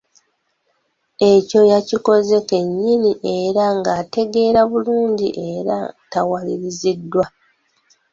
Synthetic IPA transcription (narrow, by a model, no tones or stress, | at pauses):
e̞co̞jaciko̞ze̞ke̞ɲːiniʔe̞ɾaŋɡaːte̞ɡe̞ːɾaβuluːɲɟḭʔe̞ɾa̰tawaliɾizidːwa